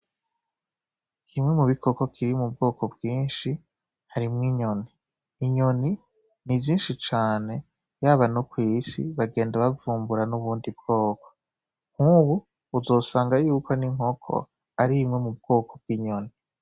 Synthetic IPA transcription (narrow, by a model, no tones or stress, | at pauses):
kʰimŋe̞muβikʰoko̞kʰiɾimub̚ɡo̞ːkʰo̞bɡiːnʃi | haɾimŋiɲo̞niː | ɲo̞ni | niziːnʃit͡ʃaːne̞ | jaβanokwiːsḭβaɡe̞ːndaβavuːmbuɾanuβuːndib̚ɡ̥o̞ːko̥ | ŋ̥huβuː | zo̞ːsaːŋɡajuːko̞niŋ̥ho̞kʰo̰ | aɾimŋe̞mub̚ɡ̥o̞ːkʰob̚ɡ̥iːɲo̞ni